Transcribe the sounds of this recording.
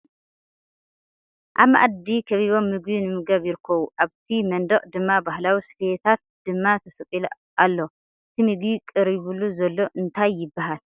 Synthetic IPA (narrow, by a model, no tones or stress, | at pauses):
ʔaβmaʔad̪ikʰɐβiβo̞mːɨɡbinɨmɨɡɐβjɪɾɨkʰːɐβuʔaβt̪ʰimɐnd̪ɐkʼd̪ɨmːabahlawisɨ̥fet̪ʰat̪̚d̪̥ɨmːat̪ʰɐsɨkʼil | ʔalːo̞ | ʔɨt̪ʰimɨɡikʼɨɾiβuluzɐlːo̞ʔɨnt̪ʰajːɪbːaɦal